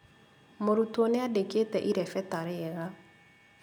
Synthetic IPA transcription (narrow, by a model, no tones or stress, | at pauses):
moɾutwɔneadeketɛʔiɾɛfɛtaɾeɛɣa